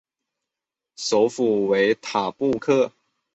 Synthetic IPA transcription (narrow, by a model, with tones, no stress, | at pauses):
so˧˦ʊfu˨˩we˧˦ɪt̪ʰa˨˩pu˥˧kʰɤ˥˩